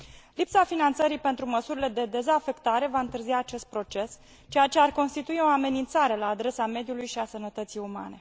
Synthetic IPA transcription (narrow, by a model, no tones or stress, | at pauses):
lipsafinant̪səɾijpe̞nt̪ɾuməsuɾile̞d̪e̞d̪e̞zafe̞kt̪aɾe̞vaɨnt̪ɨrziaːt͡ʃe̞st̪̚pɾo̞t͡ʃe̞s | t͡ʃe̞jat͡ʃe̞arko̞nst̪it̪uio̞ame̞nint̪saɾe̞laːd̪ɾe̞same̞d̪julujʃiasənət̪ət̪sijuma̰ne̞